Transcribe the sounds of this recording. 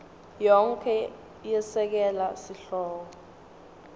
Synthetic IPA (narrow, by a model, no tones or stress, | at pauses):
jɔŋkʰɛ | jɛsɛk̬ɛlasiɬɔːk̬ɔ